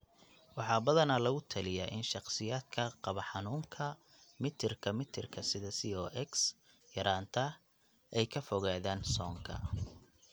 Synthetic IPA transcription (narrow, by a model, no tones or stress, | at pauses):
wɑħɑːbɐðɐnɐlɐɣʊt̪ʰɐlɪjaːʔɪnʃɑqsɪjaːd̪kʰɐqɑβɐħɑnuːŋkʰɐ | mɪt̪ʰɪrkʰɐmɪt̪ʰɪrkʰɐsɪðɐsiɔːʔɛks | jɐɾʔaːnt̪ʰɐ | ɛjkʰɐfɔɣaːðaːnsɔːŋkʰɐ̰